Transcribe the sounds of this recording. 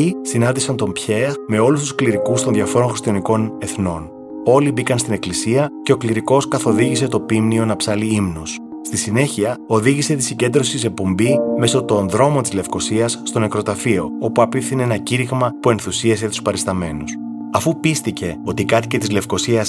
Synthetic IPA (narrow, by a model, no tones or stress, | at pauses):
isinɐnd̪isɐnt̪o̞mpçe̞ɾme̞o̞lust̪uskliɾikust̪o̞nðʝɐfo̞ɾo̞nŋxist̪ijɐniko̞ne̞θno̞n | o̞libikɐnst̪ine̞klisiɐce̞o̞kliɾiko̞skɐθo̞ðiʝise̞t̪o̞pimnio̞nɐpsɐliimnus | st̪isine̞çiɐo̞ðiʝise̞t̪isiɲɟe̞nd̪ɾo̞sisek̚po̞mbime̞so̞t̪o̞nðɾo̞mo̞t̪izle̞fko̞siɐsːt̪o̞nekɾo̞t̪ɐfio̞o̞puɐpifθineenɐciɾiɣmɐpue̞nθusiɐse̞t̪u̥spɐɾist̪ɐme̞nus | ɐfupist̪ice̞o̞t̪ikɐt̪ice̞t̪izle̞fko̞siɐs